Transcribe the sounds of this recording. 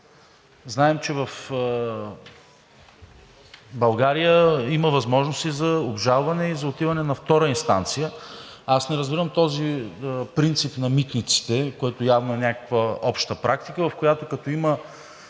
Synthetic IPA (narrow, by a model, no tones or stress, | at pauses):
znaɛmt͡ʃɛvɐf | bɐlˠɡaɾijəiməvɐzmɔʒnost̪izɐobʒalˠvɐnɛizɐot̪ivɐnɛnɐft̪ɔɾəinst̪a̰nt̪sijəasnɛɾɐzbiɾəmt̪ɔzipɾint̪sipnɐmit̪nit̪si̥t̪ɛkoɛt̪ojavnoɛnʲakəkvəɔpʃt̪əpɾʔak̚t̪ikəvɐfkojat̪okɐt̪ɔimə